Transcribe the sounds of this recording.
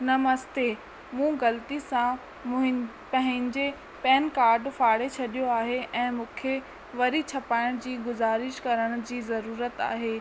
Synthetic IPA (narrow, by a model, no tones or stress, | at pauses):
nɐmɐst̪e | mũɡɐlt̪isã | ɦ | pɐ̃ɦɪ̃ɲd͡ʑe | pɛːnkaːɾɖfaːɽet͡ɕʰɐɗijoaːɦeʔɛ̃ːmũːkʰe | ʋɐɾit͡ɕʰɐpaːɪɽ̃d͡ʑiːɡʊzaːɾɪʃkɐɾəɽ̃ʊ̆d͡ʑiːzɐɾuːɾət̪a̰ːɦeː